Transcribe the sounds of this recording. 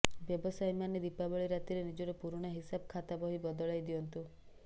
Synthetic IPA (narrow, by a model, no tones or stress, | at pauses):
bjɔbɔsajmaned̪ipabɔɭiɾat̪iɾenid͡ʒɔɾɔpuɾɽ̃ɔɦisabɔkʰat̪abɔɦibɔd̪ɔɭajd̪iɔnt̪u